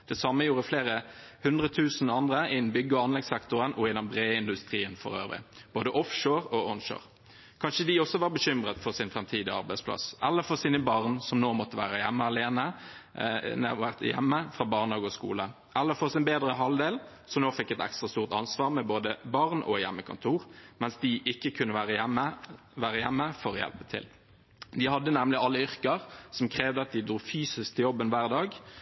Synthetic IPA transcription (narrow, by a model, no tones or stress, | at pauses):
d̪̥ɛsɑmːəjuːɾəfleːʁəhʉnd̪ʁət̪ʰʉːsn̩ɑnd̪ʁəɪd̪n̩bʏɡːəɔɑnlɛɡsɛkt̪ʊʁənʔɔɪd̪ɛnbʁeːɪnd̪ʉst̪ʁiːənfɔ̰ʁø̰ːʋʁɪ̰b̥oːd̪əʔɔfʃoːʁɔɔnʃo̰ːʁ | kʰɑnʃəd̪ɪɔsːɔʋɑːʁbəɕʏmʁət̪fɔʁsɪnfʁɛmt̪ʰiːd̪ɪɑ̰ʁbæɪspʰlɑ̰sɛlːəfɔsiːnəbɑʁnsɔmnoːmɔt̪ːəʋæːʁəjɛmːəɑleːnə | næʋæʁt̪jɛ̰mːəfɾɑːbɑʁnhɑːɡɔskṵːlə | ʔɛlːəfɔʁsɪnbeːd̪ʁəɦɑld̪eːl | sɔnoːfɛk̪ːɛt̪ɛ̰kst̪ʁɑst̪uːʁt̪ɑ̰nsʋɑːʁmɛboːd̪əbɑʁnʔɔ̰jɛ̰mːəkʰʊ̰nt̪ʰuːʁmɛnsd̪ɪʔɪkːəkʰʉnːəʋæːʁəjɛmːə | ʋæːʁəjæmːəfɔʁɔjɛ̰lpət̪ʰɪ̰l | d̪ɪhɑd̪ːənɛmlɪɑlːəʏʁkəʁsɔmkʰʁeːʋd̪əɑt̪̚d̪ɪd̪ɾuːfyːsɪskt̪ʰɪjɔbːənʋæːʁd̪ɑːɡ